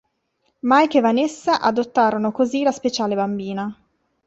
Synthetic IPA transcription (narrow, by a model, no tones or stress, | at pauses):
majkevanesːaʔad̪ot̪ːaːɾonokozilaspet͡ʃaːlebambiːna